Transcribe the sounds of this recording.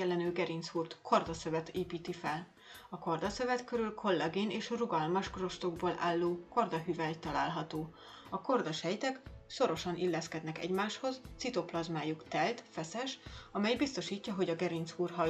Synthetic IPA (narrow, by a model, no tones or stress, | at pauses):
ɛlːɛnøːɡɛɾinshuːrt̪kʰord̪ɒsøvɛt̪eːpiːt̪ifɛl | ɒko̞rd̪ɒsøvɛt̪køɾylkʰo̞lːɛɡeːneːʃruɡɒlmɒʃkro̞ʃt̪o̞ɡboːlʔa̰ːlːoːko̞rd̪ɒɦyvɛlt̪ːɒlaːlɦɒt̪oː | ɒko̞rd̪ɒʃhɛjt̪ɛkso̞ɾo̞ʃɒnʔilːɛskɛd̪nɛkɛ̰ɟmaːʃho̞zt̪sit̪o̞plɒzmaːjukt̪ɛlt̪fɛsɛʃɒmɛjbist̪o̞ʃiːcːɒɦo̞ɟɒɡɛɾint̪shuːrɦɒ